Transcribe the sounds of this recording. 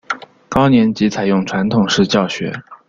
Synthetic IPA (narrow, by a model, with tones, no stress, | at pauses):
kɑ˥ʊnjɛ˧˥nt͡ɕi˧˥t͡sʰa˨˩ɪjʊ˥˩ŋʈ͡ʂʰwa˧˥nt̪ʰʊ˨˩ŋʂɻ̩˥˧t͡ɕjɑ˥˩ʊɕɥɛ̰˧˥